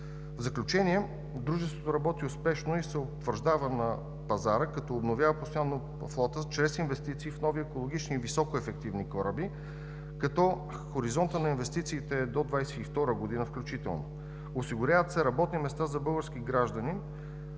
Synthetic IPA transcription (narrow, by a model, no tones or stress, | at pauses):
vzɐklʲut͡ʃɛniɛ | d̪ɾuʒɛst̪vot̪oɾɐbɔt̪iʊspɛʃnoisɛot̪vəɾʒd̪avənɐ | pɐzaɾəkɐt̪ɔːbnovʲjavəpost̪ojanːo | flˠɔt̪ət͡ʃɾɛsinvɛst̪it̪siːfnɔviɛkolˠoɡ̟it͡ʃniːvisɔkoɛfɛk̚t̪ivnikɔɾəbi | kɐt̪ɔ | xoɾizɔnt̪ənɐinvɛst̪it̪siːt̪ɛd̪od̪vajsɛift̪ɔɾəɡod̪inəfklʲʊt͡ʃit̪ɛ̰lˠno̰ | osiɡʊɾʲavət̪sɛɾɐbɔt̪nimɛst̪azɐbɤlˠɡəɾsk̟iɡɾaʒd̪əni